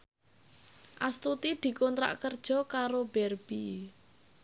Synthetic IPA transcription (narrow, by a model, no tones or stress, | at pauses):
ʔast̪ut̪id̪̥i̤kɔnt̪ɾa̰ʔkərd̥ʒ̥ɔ̤kaɾob̥ɛrb̥i